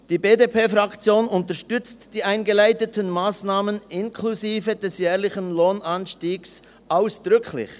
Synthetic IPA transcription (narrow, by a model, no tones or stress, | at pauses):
d̥iːbeːdepʰeːfʁɑkt͡sjoːnʊntəʃtʏt͡std̥iːaɪnɡəlaɪtətʰənmaːsnaːmənɪnkʰluziːvəd̥ɛsjɛːʁlɪçənloːnʔanʃtiːɡs | ʔaʊsd̥ʁʏkʰlɪ̰ç